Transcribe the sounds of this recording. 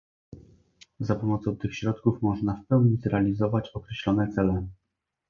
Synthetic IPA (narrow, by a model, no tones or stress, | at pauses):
zapɔmɔt̪sɔ̃w̃t̪ɘxɕɾɔt̪kufmɔʐnafpɛwɲizɾɛalʲizɔvat͡ɕɔkɾɛɕlɔnɛt̪sɛlɛ